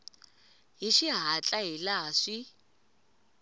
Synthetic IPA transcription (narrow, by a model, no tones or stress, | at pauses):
ɦiʃiɦat͡ɬʼaɦilaːʂi